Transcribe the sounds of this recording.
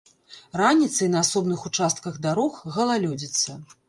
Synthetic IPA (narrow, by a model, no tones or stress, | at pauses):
ranʲit̪sɐjnɐːsɔbnɨxut͡ʂast̪̚kɐɣd̪aɾɔxɣɐlˠalʲɔd͡zʲit̪sːɐ